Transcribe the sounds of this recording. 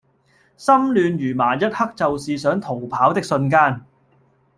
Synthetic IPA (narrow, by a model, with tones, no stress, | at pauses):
sɐ˥mlyː˨˧njyː˨˩maː˨˩jɐ˥t̚hɐ˥k̚t͡sɐ˨wsiː˨sœː˨˥ŋt̪ʰo˨˩wpʰaː˨˥wt̪ɪ˥k̚sɵ˧nkaː˥n